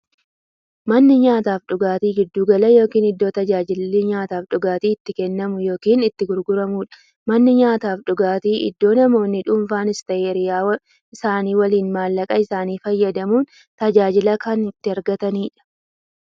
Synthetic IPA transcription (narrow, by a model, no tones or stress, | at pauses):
mɐnːɪɲaːt̪aːfᶑʊɡaːt̪iːɡɪd̪ːuːɡɐlɐjo̞ːkiːnɪd̪ːo̞ːt̪ɐd͡ʒaːd͡ʒɪlːɪɲaːt̪aːfᶑʊɡaːt̪iːɪt̪ːɪkɛnːɐmʊjo̞ːkiːnɪt̪ːɪɡʊɾɡʊɾɐmuːᶑɐ̥ | mɐnːɪɲaːt̪aːfᶑʊɡaːt̪iːʔɪ̰d̪ːo̞ːnɐmo̞ːnːɪᶑʊːmfaːnɪst̪ɐʔeːɾɪjaːw | ɪsaːniːwɐliːnmaːlːɐkʼɐɪsaːniːfɐjːɐd̪ɐmuːn | t̪ɐd͡ʒaːd͡ʒɪlɐkɐnɪt̪ːɪɐɾɡɐt̪ɐniːᶑɐ̥